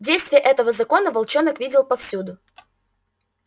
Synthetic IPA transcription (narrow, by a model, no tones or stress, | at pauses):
dʲejst̪vʲɪjəʔɛt̪əvəzɐko̞nəvɐlˠt͡ɕonəkvʲidʲɪlˠpɐfsʲud̪ʊ